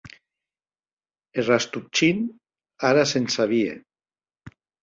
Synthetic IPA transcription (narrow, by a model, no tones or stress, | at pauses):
erast̪up̚t͡ʃin | aɾasensaβiḛ